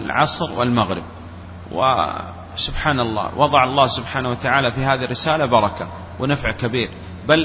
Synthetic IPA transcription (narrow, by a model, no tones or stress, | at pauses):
lʕɑ̰sˤɾwɪ̰lmaɣɾɪ̰b̚ | wɪ̰ | sʊbħaːnɑlˤːɑ̰ːwʔɑðˤɑʕɑlˤːɑːhsʊbħaːnawat̪aʕaːlafiɦaːðirːɪsaːlabɑɾˤɑka | wɪnafʕkabiːɾ | bal